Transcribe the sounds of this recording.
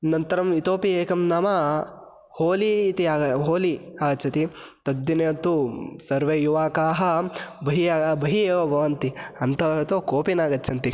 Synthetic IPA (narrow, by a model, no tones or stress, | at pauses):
nɐnt̪ɐɾɐmit̪oːpieːkɐmnaːmɐ | hoːliːt̪iaːɡɐɦoːliaːt͡ʃʰɐt̪i | t̪ɐd̪ːinɐɐt̪usɐɾʋeːjuʋaːkaːɦɐbʱɐɦiaːɡɐbʱɐɦieːʋɐbʱɐʋɐnt̪iɐnt̪ɐt̪oːkoːpinaːɡɐtːt͡ʃʰɐnt̪i